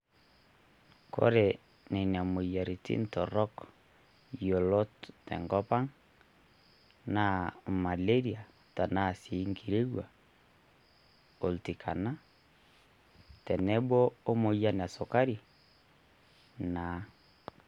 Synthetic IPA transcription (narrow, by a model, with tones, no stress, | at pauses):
kɔ̰˦ɾɛ˨ | nɛ˨n˨a˨mo˨ja˨ɾi˨tḭ˦ntɔ˨ɾɔ˦k | jɔ˨lɔ˦ttɛ̰˨ŋɡɔ˦pa˦ŋ | na˦ma˨le˦ɾi˨a˨ | ta˨na˦˨si˨˦ŋɡi˨ɾe˦ɣwa˨ | o˨lti˨kʰa̰˨na˦ | tɛ˨nɛ˦bɔ˦o˦mo˨ja˦n˨a˨so˨ka˦ɾi˨ | na˨˦